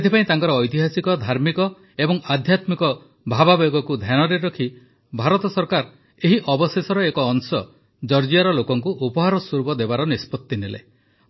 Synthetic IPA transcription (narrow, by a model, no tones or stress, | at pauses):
et̪ʰipaĩt̪aŋkɔɾɔːjt̪̬iɦasikɔd̪ʱaɾmikɔ | ebɔŋad̪ʱjat̪mikɔ | bʱababɔɡɔkud̪ʱjanɔɾeɾɔkʰi | bʱaɾɔt̪ɔsɔɾkaɾ | eɦiʔɔbɔsesɔɾɔekɔːŋsɔ | d͡ʒɔɾd͡ʒiaɾɔlokɔŋkuʔupɔɦaɾɔsuɾubɔd̪ebaɾɔnispɔt̪ːinelḛ